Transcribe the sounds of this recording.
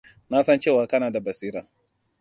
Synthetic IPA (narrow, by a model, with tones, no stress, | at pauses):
na˦sɐ˦nt͡ʃeː˦˨waː˨kɐ˦naː˨da˨bɐ˨siː˦ɾa˨